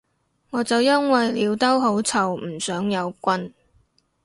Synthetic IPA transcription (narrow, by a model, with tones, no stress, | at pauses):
ŋɔː˨˧t͡sɐ˨wjɐ˥nwɐ˨jliː˨˧wt̪ɐ˥wɦo˨˥wt͡sʰɐ˨˩wm̩˨˩sœː˨˥ŋjɐ˨˧wkʷɐ˥n